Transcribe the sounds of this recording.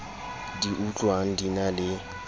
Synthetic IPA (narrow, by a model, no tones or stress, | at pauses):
diʔut͡ɬʼwan̩dinalɪ